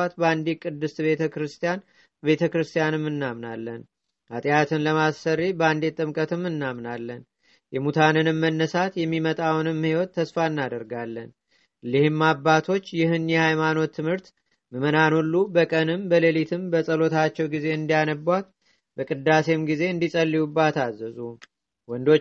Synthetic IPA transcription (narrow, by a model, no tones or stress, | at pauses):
at̪bəand̪ikʼɨd̪ːɨsbe̞t̪ʰəkɾɨst̪ʰijan | be̞t̪ʰəkɾɨst̪ʰijanɨmːɨnːamnalːən | ʔat̪ʼijat̪ʰɨnləmasːərːibəand̪et̪ʼɨmkʼət̪ɨmːɨnːamnalːən | jɛmut̪ʰanɨnɨmːənːəsat̪jɛmːimət̪ʼawnɨmhiwɔt̪ʰːəsfaɨnːad̪əɾɡalːən | lɨhɨmːabːat̪ʰo̞t͡ʃːjɪɦɨnjɛhajmano̞t̪ʰːɨmhɨɾt̪ | mɨmənanolːubəkʼənɨmbəlelit̪ʰɨmbəsʼəlo̞t̪ʰat͡ʃːɛwɡize̞ɨnd̪ijanəbwat̪̚ | bəkʼɨd̪ːase̞mɡize̞ɨnd̪isʼəlːiwubːat̪azəzu | wɔnd̪o